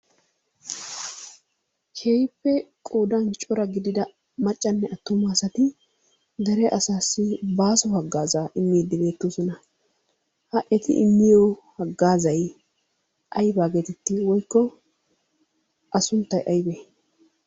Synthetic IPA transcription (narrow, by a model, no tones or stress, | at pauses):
kʰejpːɛkʼo̞ːd̪ɐnt͡ʃʼɔɾɐɡɪd̪ɪd̪ɐ | mɐt͡ʃʼːɐnːɛɐt̪ːʊmaːsɐt̪ɪ | d̪ɛɾɛʔɐsaːsːɪbaːsɔhɐɡːaːzaːʔɪmːiːd̪ːɪbe̞ːt̪ːosɔnɐ | hɐʔɛt̪ɪ̰ʔɪmːɪjɔhɐɡːaːzɐj | ʔɐjbaːɡeːt̪ɛt̪ːɪwɔjkːɔ | ʔɐsʊnt̪ːɐjʔɐjbe